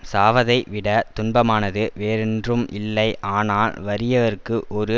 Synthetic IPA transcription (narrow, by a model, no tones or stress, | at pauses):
saːʋɐðɐɪʋɪɽɐt̪ʊnbɐmaːnɐðɯʋeːɾɛndrɯmʔɪlːɐɪʔaːnaːlʋɐɾɪjɐʋɐɾkːɯʔɔɾɯ